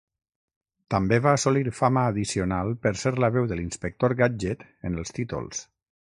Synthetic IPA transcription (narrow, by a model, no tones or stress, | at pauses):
t̪əmbeβaːsoliɾfaməːðisionalˠpəɾsɛɾləβɛwðəlinspək̚t̪oɾɣad͡ʒɛt̪ | ənəlˠst̪it̪ṵlˠs